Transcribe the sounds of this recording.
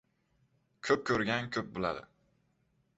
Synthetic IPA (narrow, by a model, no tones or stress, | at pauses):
kʲʰɵp̚kʲʰɵɾɡʲankʲʰɵp̚bɪlˠa̰d̪ɪ̰